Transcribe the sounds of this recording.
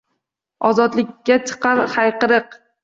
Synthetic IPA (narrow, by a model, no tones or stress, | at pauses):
ɒzɒd̪lɪkʲːat͡ʃʰɨ̥qʰɑɾhajqɨɾɨq